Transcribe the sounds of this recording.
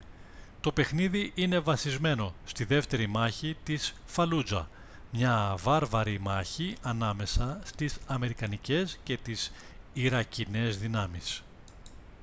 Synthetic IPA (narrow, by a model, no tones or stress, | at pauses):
t̪o̞pe̞xniðiʔine̞vɐsizme̞no̞st̪iðe̞ft̪e̞ɾimɐçit̪is | fɐlud͡zɐ̰ | mɲɐvɐɾvɐɾimɐçiɐnɐme̞sɐst̪isɐme̞ɾikɐnice̞sce̞t̪isiɾɐcine̞zðinɐmis